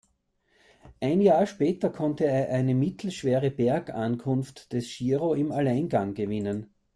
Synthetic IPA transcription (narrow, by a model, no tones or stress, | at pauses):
ʔæɪnjaːɐʃpɛːtɐkʰɔ̃ntəeːɐʔæɪnəmɪt̪ʰl̩ʃv̥eːʁəb̥ɛɐkankʰʊnftd̥ɛsʃiːʁoɪmalæɪnɡaŋɡəvɪnən